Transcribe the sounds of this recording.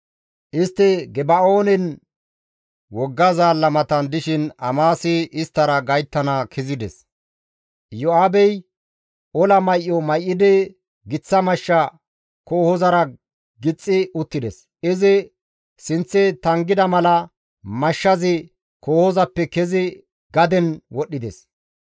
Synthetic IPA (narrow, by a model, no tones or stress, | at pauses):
ʔɪst̪ːɪɡɛbɐo̞ːnɛn | wɔɡːɐzaːlːɐmɐt̪ɐnd̪ɪʃɪnɐmaːsɪʔɪst̪ːɐɾɐɡɐjt̪ːɐnɐkʰɪzɪd̪ɛs | jɔaːbɛj | ʔɔlɐmɐjʔːɔmɐjʔːɪd̪ɛ | ɡɪt͡sːɐmɐʃːɐ | koːhɔzɐɾɐ | ɡɪt͡sʼːɪʊt̪ːɪd̪ɛs | ɪzɪ | sɪnt͡sːɛt̪ɐŋɡɪd̪ɐmɐlɐ | mɐʃːɐzɪ | koːhɔzɐpːɛkɛzɪ | ɡɐd̪ɛnwɔɗːɪd̪ɛs